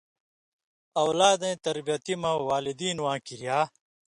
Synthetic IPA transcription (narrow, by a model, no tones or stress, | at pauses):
ɐwlaːd̪ẽːt̪ɐɾbijɐt̪imɐwaːlid̪iːnwãːkiɾjaː